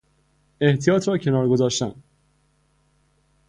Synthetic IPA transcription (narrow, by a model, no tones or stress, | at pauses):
e̞ht̪ʰijɒːt̪ʰɾɒːcʰe̞nɒːɾɡo̞zɒːʃt̪æn